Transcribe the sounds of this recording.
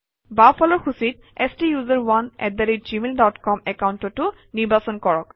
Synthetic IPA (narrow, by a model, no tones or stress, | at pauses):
bapʰɔlɔɹxʰusit | ɛstijuzaɹwanɛ̰t̚daɾid͡ʒimeldɔtkɔmɛkawntɔtːʊ | niɹbʱasɔnkɔɹɔk